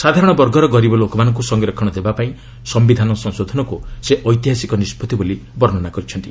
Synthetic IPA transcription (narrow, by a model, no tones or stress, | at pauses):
sad̪ʱaɾɔɽ̃ɔbɔɾɡʱɔɾɔɡɔɾibɔlokɔmanɔŋk̬usɔŋɡeɾɔkʰːɔɽ̃ɔd̪ebapaĩ | sɔmbid̪ʱanɔsɔŋsod̪ʱɔnɔkuseʔɔjt̪iɦasikɔnispɔt̪ibolibɔɾɔnɔnakɔɾit͡ʃʰɔnt̪i